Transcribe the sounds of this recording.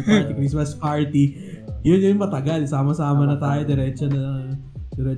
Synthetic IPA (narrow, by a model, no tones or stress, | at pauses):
paɾt̪ikɾismɐspaːɹt̪i | jʊnjʊjʊŋpɐt̪ɐɡɐlsaːmɐsaːmɐnɐt̪aːjod̪ɛɾɛt͡ʃɐnɐɐŋɐ | d̪ɛɾɛ